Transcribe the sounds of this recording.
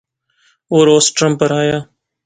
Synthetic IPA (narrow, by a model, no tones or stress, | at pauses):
oːɾoːsʈɾəmpːəɾɦaːjaː